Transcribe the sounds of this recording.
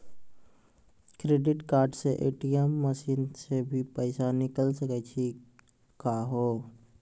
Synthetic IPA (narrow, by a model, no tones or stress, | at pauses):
kɾeːɖɪʈkaːɾɖseʔḛːʈijəmːəsiːnsebʱipəɪsanɪkəlsəkɛt͡ʃʰi | kaɦoː